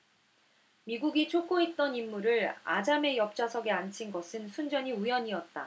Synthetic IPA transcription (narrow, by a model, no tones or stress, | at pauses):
miɡuɡit͡ɕʰok͈oɦet̚t͈ʌnimːuɾɯɭa̰d͡ʑame̞jʌp̚t͡ɕ͈asʰʌɡe̞ant͡ɕʰinɡʌsʰɯnsʰund͡ʑʌɲiujʌɲiʌt̚t͈a̰